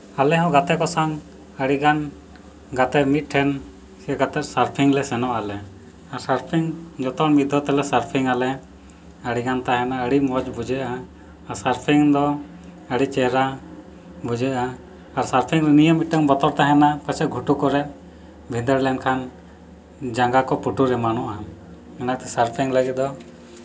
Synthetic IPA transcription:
alɛɦɔ̃ɡat̪ɛkɔsaŋ | əɽiɡan | ɡat̪ɛmit̪̚ˀʈʰɛn | siəɡat̪ɛt̪̚saɾpʰiŋlɛsɛnɔʔalɛ | aɾsaɾpʰiŋd͡ʒɔt̪ɔɽmid̪ʱɔt̪ɛlɛsaɾpʰiŋalɛ | əɽiɡant̪aɦɛ̃naəɽimɔd͡ʒbud͡ʒɛʔaː | ɾsaɾpʰiŋd̪ɔ | əɽit͡ʃɛɦɾa | bud͡ʒɛʔaː | ɾsaɾpʰiŋlɛnijəmiʈəŋbɔt̪ɔɾt̪aɦɛnapat͡ʃɛɡʱuʈukɔɾɛt̪̚ | bʱind̪əɾlɛnkʰan | d͡ʒaŋɡakɔpuʈuɾɛmanɔʔa | ɛnat̪ɛsaɾpʰiŋləɡit̪̚d̪ɔ

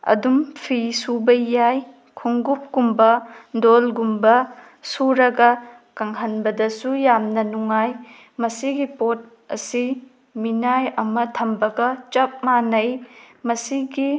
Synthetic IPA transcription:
ɐ̰dumpʰisubɐjaj | kʰuŋɡup̚ɡumbɐdolɡumbɐ | suɾɐɡɐ | kɐŋɦɐnbɐdɐsujamnɐnuŋaj | mɐsiɡipot̚ | ɐ̰si | minajɐmɐtʰɐmbɐɡɐt͡ʃɐp̚manɐj | mɐsiɡi

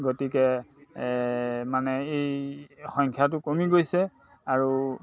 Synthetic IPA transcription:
ɡotikɛ | manɛejxɔŋkʰjatʊkomiɡojsɛ | aɹu

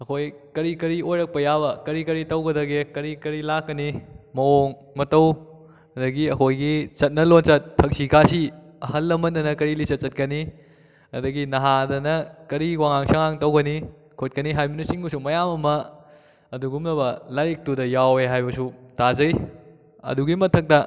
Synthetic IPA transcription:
ɐkʰojkɐɾikɐɾiojɾɐk̚pɐjabɐkɐɾikɐɾitɐwɡɐdɐɡekɐɾikɐɾilakːɐnimɐoŋ | mɐtɐw | ɐdɐɡiɐkʰojɡit͡ʃɐt̚nɐlont͡ʃɐtʰːɐk̚sikʰasi | ɐhɐlːɐmɐndɐnɐkɐɾilit͡ʃɐt̚t͡ʃːɐt̚kɐni | ɐ̰dɐɡinɐɦadɐnɐkɐɾiwaŋaŋsɐŋaŋtɐwɡɐni | kʰot̚kɐniɦajminɐsiŋbusumɐjamɐmɐ | ɐduɡumlɐbɐlaɾik̚tudɐjaweɦajbɐsutazɐj | ɐ̰duɡimɐtʰɐk̚tɐ

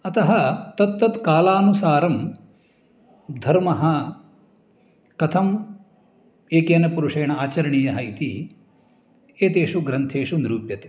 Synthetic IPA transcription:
ɐt̪ɐɦɐt̪ɐt̪ːɐt̪kaːlaːnusaːɾɐm | d̪ʱɐɾmɐɦɐ | kɐt̪ʰɐm | eːkeːnɐpuɾuʂɐjɐɳɐaːt͡ʃɐɾɐɳiːjɐɦɐit̪ḭ | eːt̪eːʂuɡɾɐnt̪ʰeːʂuniɾuːpjɐt̪e̥

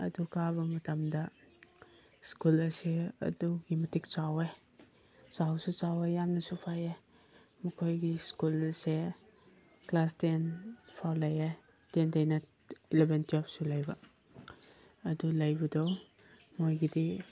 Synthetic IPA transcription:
ɐ̰dukaβɐmɐtɐmdɐ | skulɐseɐ̰duɡimɐtik̚t͡ʃawe | sawsut͡ʃawejamnɐsupʰaje | mɐkʰojɡiskulse | klastenpʰawlaja | tentajnɐ | ilebʱentiɔp̚sulajbɐ | ɐdulɐjbɐdow | mojɡidi

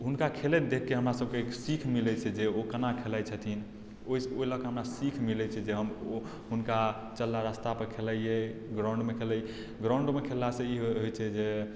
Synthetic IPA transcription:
ɦunkakʰelɛd̪ekʰːeɦəmɾasəb̚kesikʰmilɛt͡ʃʰɛd͡ʒeokənakʰelat͡ʃʰət̪ʰin | oisoiləɡkeɦəmɾasikʰmilɛt͡ʃʰɛd͡ʒeɦəm | ɦunka | t͡ʃəlːaɾast̪apəɾkʰeləjeɡɾãw̃ɳɖmekʰelə | ɡɾãw̃ɳɖmekʰelːasẽiɦoɦojt͡ʃʰɛd͡ʒe

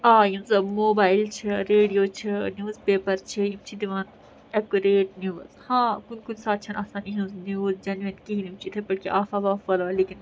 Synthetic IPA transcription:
aːjĩmsɐbmoːbaːɪlt͡ʃʰiɾeːɖijoːt͡ʃʰinjuːzpeːpɐɾt͡ʃʰijimt͡ʃʰid̪iʋaːn | ɛkuɾeːʈnjuːzhãːkunkunsaːt̪̚t͡ʃʰɐnaːsaːniɦũznjuːzd͡ʒɐnʋenkiɦinimt͡ʃʰit̪ʰepɐɽkiʔaːfaʋaːfʋɐlʋaleːkin

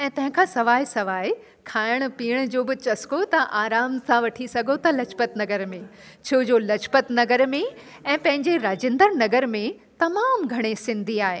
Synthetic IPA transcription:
ɛ̃ːt̪ɐ̃ɦɪ̃kʰãːsɐʋaːisɐʋaːi | kʰaːɪəɽ̃ʊ̆piːəɽ̃ʊ̆d͡ʑoːbɪt͡ɕɐskot̪ɐʔaːɾaːmsãʋɐʈʰisɐɡʱot̪ɐlɐt͡ɕpət̪nɐɡəɾmẽ | t͡ɕʰoʊd͡ʑoːlɐt͡ɕpət̪nɐɡəɾmẽ | ɛ̃ːpɐ̃ɦɪ̃ɲd͡ʑeɾaːd͡ʑɪ̃nd̪əɾnɐɡəɾmẽ | t̪ɐmaːmɡʱɐɽ̃esɪ̃nd̪ʱiaːɦeː

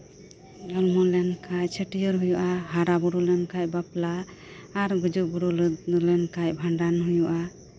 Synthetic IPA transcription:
d͡ʒɔlmɔlɛnkʰact͡ʃʰəʈijɔɾɦujuʔaɦaɾabɔɾulɛnkacbaplaː | ɾɡud͡ʒubuɾullɛnkacbʱaɳɖanɦujuʔa

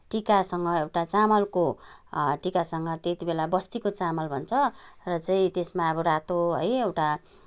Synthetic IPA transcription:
ʈikasʌŋɡʌewʈat͡samʌlko | ʈikasʌŋɡʌt̪et̪ibelabʌst̪ikot͡samʌlbʱʌnt͡sʰʌrʌt͡saĩt̪esmaʌbʌɾat̪oɦʌ̰jewʈa

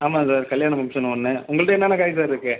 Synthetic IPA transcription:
aːmaːsaːɾkɐljaːɳɐmɐmsɐnɐnːɯʊŋɡɐɭɯʈɐɛnːaːnɐkaːjs̬aːɾɪɾɯkːɯ

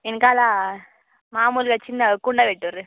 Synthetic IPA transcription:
ɛnkaːlaː | maːmuːlkɐt͡ʃːɪnːɐkʊɳɖaːʋeʈːɯʋɐɾɯ

